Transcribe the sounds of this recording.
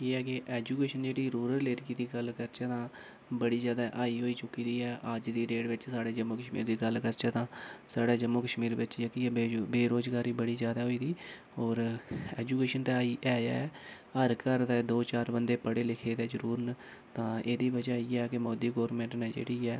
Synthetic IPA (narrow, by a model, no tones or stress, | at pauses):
iːɛːkeʔɛːd͡ʒuːkeːʃənd͡ʒeːɽiːɾuːɾəɾleːɾkiːd̪iːɡəlkəɾt͡ʃɛːt̪ãː | bəɽiːd͡ʒjaːd̪aːʔaːiːɦoːiːt͡ʃʊkːiːd̪iːɛːʔəd͡ʒd̪iːɖeːʈʋɪt͡ʃsaːɽeːd͡ʒəmoːkəʃmḭːɾd̪iːɡəlkəɾt͡ʃɛːt̪ãːsaːɽaːd͡ʒəmːoːkəʃmiːɾʋɪt͡ʃd͡ʒəkiːɛeːbeːɾoːzɡaːɾiːbəɽiːzjaːd̪aːɦoːiːd̪iː | oːɾɛːd͡ʒuːkeːʃənt̪ɛːaːiːʔɛːjɛ̰ː | əɾkəɾd̪ɛd̪oːt͡ʃaːɾbənd̪eːpəɽeːlɪkʰeːt̪ɛːzəɾuːɾnə | t̪ãːeːd̪iːʋəd͡ʒaːiːɛːkɪmɔːd̪iːɡɔːɾmẽːɳʈnɛːd͡ʒḛːɽiːɛː